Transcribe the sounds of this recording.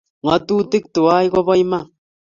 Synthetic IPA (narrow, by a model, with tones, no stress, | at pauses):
ŋa˨tu˦ti˦k̚tu˨a˦i˦kɔ˦bɔ˦i˦ma˦˨